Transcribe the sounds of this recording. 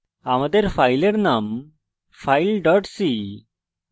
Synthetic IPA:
amad̪eɾfajleɾnam | fʰajlɖɔʈsi

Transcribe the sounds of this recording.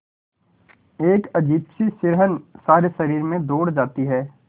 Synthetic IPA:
eːkɐd͡ʒiːbsisɪɾɦənsaːɾesɐɾiːɾmẽd̪oːɽd͡ʒaːt̪iɦɛː

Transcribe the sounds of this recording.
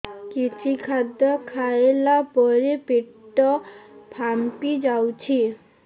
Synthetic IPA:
kit͡ʃʰikʰad̪ɔkʰaelapɔɾepeʈːɔpʰampid͡ʒawt͡ʃʰi

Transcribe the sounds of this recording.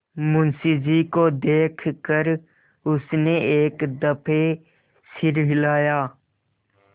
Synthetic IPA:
mʊnsɪd͡ʒikod̪eːkʰkəɾ | ʊsneeːkd̪əpʰe | sɪɾɦɪlaːjaː

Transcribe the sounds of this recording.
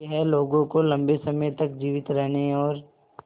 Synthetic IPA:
ɦɛloːɡõkolɐ̃mbesɐməjt̪ɐk̚d͡ʒiːʋɪt̪ɾɛɦneɔːɾ

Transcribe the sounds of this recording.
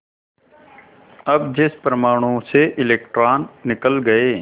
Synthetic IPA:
ɐbd͡ʒɪspəɾmaːɽ̃õseʔɪleːk̚ʈɾaːnːɪkəlɡəeː

